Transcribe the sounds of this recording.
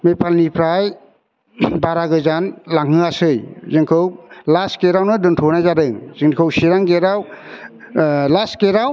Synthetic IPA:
mepʰalnipʰɾaj | baɾaɡɯzanlaŋɦɯasɯjzɯŋkʰɯwlaskeɾawnɯdɯntʰɔnajzaɾɯŋz̥ɯŋkʰɯwsiɾaŋɡeɾaw | laskeɾaw

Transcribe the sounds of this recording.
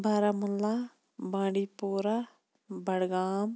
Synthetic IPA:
baːɾaːmʊlːaː | bãːɽiːpoːɾa | bəɽɡaːm

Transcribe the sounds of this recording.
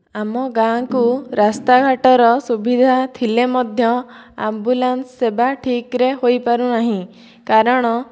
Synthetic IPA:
amɔɡãkuɾast̪aɡʱaʈɔɾɔsubid̪ʱat̪ʰilemɔd̪ʱjɔa̰mbulansːebaʈʰikɾeɦojpaɾunaɦĩ | kaɾɔɽ̃ɔ

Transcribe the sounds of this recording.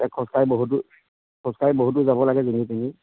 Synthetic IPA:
ɛkʰɔ̃skaɹiboɦutu | kʰɔ̃skaɹiboɦut̬uzabɔlaɡɛzonitani

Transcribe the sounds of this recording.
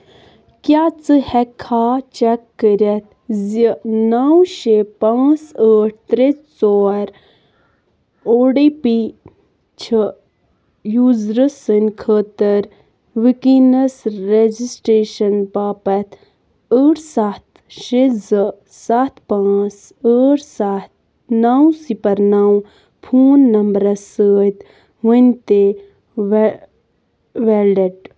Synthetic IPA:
kjaːt͡sɨhɛkʰːaːt͡ʃɛkːəɾʲɐt̪̚ | zinawʃepãːt͡səːʈ̚ʰt̪ɾet͡st͡soːɾ | oːɖipi | t͡ʃʰə | juːzɾəsənʲkʰəːt̪əɾ | ʋikinɐsɾed͡ʒisʈɾeːʃɐnpaːpɐt̪ʰ | əːɽsaːt̪ | ʃezə | saːt̪ʰpãːt͡s | əːɽsat̪̚ | nawsipɐɾnaːw̃ | pʰuːnːɐmbɾɐsəːt̪ | ʋənʲt̪e | ʋelɖeʈ

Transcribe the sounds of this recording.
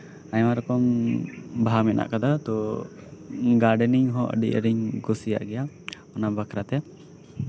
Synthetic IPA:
aɲwaɾɔkɔm | bʱamɛna̰ʔkad̪at̪ɔ | ɡaɾɖəniŋɦɔʔə̰ɖiʔə̰ɾiŋɡɔsija̰ʔɡɛja | ɔnabakʰɾat̪ɛa

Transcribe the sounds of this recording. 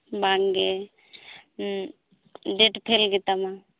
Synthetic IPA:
baŋɡe | ɖeʈpʰelɡet̪amã

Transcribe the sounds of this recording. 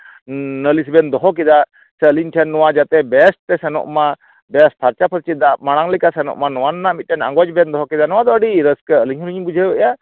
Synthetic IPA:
nəlis̬bɛnd̪ɔɦɔk̬id̪a | sɛəliɲʈʰɛnːɔwad͡ʒat̪ɛbɛst̪ɛsɛnɔ̰ʔma | bɛsp̪ʰaɾt͡ʃapʰəɾt͡ʃid̪aʔmaɽ̃aŋlikasɛnɔ̰ʔmanɔwanɔnaʔmit̪̚ʈʰɛna̰ŋɡɔd͡ʒbɛnd̪ɔɦɔkid̪anɔwad̪ɔəɖiɾəskəəliɲɦuɾiɲbud͡ʒʱəəja

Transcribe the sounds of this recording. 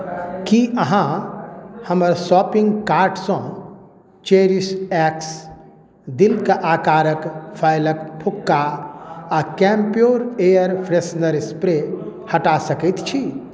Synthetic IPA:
kiəɦã | həməɾsɔpĩŋɡkaɾɖsɔ̃ | t͡ʃeɾisɛks | d̪ilkəʔaːkaːɾəkpʰaɪləkpʰukːa | akɛmpijoɾejəɾpʰɾesnəɾspɾehəʈasəkɛt̪t͡ʃʰi

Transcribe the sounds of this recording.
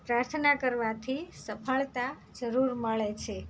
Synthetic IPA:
pɾaɾt̪ʰənakəɾʋat̪ʰisəpʰəɭt̪a | d͡ʒəɾuɾməɭet͡ʃʰe

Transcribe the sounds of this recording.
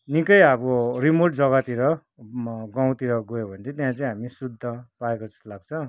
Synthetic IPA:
nikʌjaborimorʈd͡zʌɡat̪iɾʌ | ɡãw̃t̪iɾʌɡojobʱʌnt͡sʰit̪jãt͡saĩɦamisud̪ʱːʌpaekod͡zʌ̥slaɡt͡sʰʌ̃

